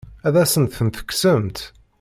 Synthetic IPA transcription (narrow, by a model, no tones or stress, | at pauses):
æðæsənt̪θənθə̥kːsəmt̪